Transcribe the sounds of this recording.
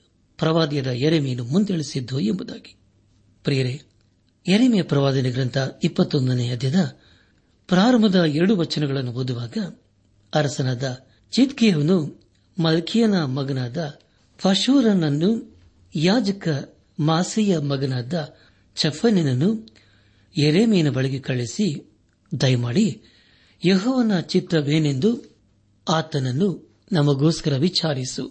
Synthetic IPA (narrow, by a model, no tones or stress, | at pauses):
pɾɐʋaːd̪jɐd̪ɐjeɾeːmijɐnumund̪ɐɭisid̪ːuembud̪aːɡi̥ | pɾijɐɾeː | jeɾeːmijɐpɾɐʋaːd̪ɐniɡɾɐnt̪ʰɐipːɐt̪ːond̪ɐneːɐd̪ʱjɐd̪ɐ | pɾaːɾɐmɐd̪ɐeɾɐɽuʋɐt͡ʃːɐnɐɡɐɭɐnːuboːd̪uʋaːɡɐ | ɐɾɐsɐnaːd̪ɐ | t͡ʃit̪kijɐʋɐnu | mɐlkʰijɐnamɐɡɐnaːd̪ɐ | pʰɐʃuːɾɐnɐnːu | jaːd͡ʒɐkɐ | maːsijɐmɐɡɐnaːd̪ɐ | t͡ʃɐpʰːɐnːinɐnːu | jeɾeːmijɐnɐbɐɭeɡekɐɭːisi | d̪ɐjɐmaːɽi | jɔɦɔːʋɐnɐt͡ʃit̪ːɐʋeːne̞nd̪u | aːt̪ɐnɐnːu | nɐmːɐɡoːskɐɾɐʋit͡ʃaːɾisṵ